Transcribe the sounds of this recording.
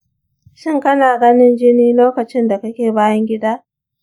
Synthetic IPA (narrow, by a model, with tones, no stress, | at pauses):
ʃɪ˦ŋkɐ˦naː˨ɡɐ˦nɪ˦nd͡ʒɪ˦niː˦loː˦kɐ˨t͡ʃɪ˦nda˨kɐ˦kʲeː˨baː˦jɐ˦ŋɡʲɪ˦daː˦